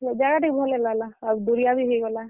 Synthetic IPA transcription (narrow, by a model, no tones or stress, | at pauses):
d͡ʒaɡaʈik̚bʱɔlelalaad̪uɾijabʱiɦojɡɔla